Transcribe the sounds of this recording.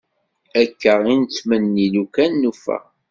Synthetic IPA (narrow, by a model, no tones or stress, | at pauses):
ækːəʁint͡sːmənːilukænːufæ̰